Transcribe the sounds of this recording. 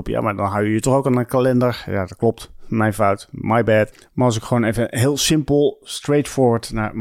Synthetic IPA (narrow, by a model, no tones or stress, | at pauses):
pja̰ːmadɔnɦawjəjətɔχowkanənkalɛndəɹja̰dɔt̚klɔp̚tmɛjnfawtmajbɛt | maɹɑlˠs̬ɪkχəʋoːnevəɦɪːlˠsɪmpəlˠstrejtfʊːɹʋətnaɹ